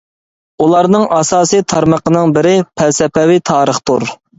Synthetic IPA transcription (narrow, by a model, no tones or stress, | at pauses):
ulˠɑɾnɨŋʔɑsɑːsijt̪ʰɑɾməqənɨŋbɪɾɪpʰɛsɛpɛwit̪ʰɑːɾəχt̪ʰṵɾ